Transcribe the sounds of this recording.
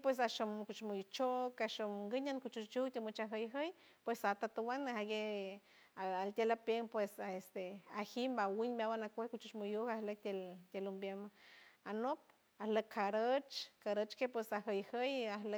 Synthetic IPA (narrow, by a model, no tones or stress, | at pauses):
pwes̬aʃomkut͡ʃmujut͡ʃokaʃomŋɡəɲankut͡ʃut͡ʃt͡ʃukt̪ʲemut͡ʃaɦəjɦəj | pwesat̪at̪uwanahaɡe | aalt̪ʲelapeŋpwesaest̪eahimbawiɲbawanakʷehkut͡ʃut͡ʃmujuhahlek̚t̪ʲelt̪ʲelumbjemanop̚ | ahləkʰːaɾət͡ʃkaɾət͡ʃkepwesaɦəjhəjahlə